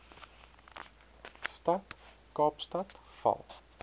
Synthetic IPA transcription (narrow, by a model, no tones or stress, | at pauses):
st̪at̪ | ɡ̥ɑːpst̪at̪ | fɑ̰ː